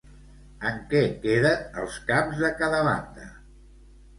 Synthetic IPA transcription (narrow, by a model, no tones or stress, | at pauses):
əŋkɛkeðənə̰lˠskamzðəkaðəβa̰nd̪ə̰